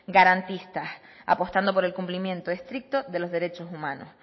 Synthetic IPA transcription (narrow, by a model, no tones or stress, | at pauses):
ɡaɾant̪ist̪as | a̰po̞st̪and̪o̞p̬o̞ɾe̞lkumplimjẽ̞nt̪o̞est̪ɾik̚t̪o̞ðe̞lo̞zðe̞ɾe̞t͡ʃo̞sumãno̰s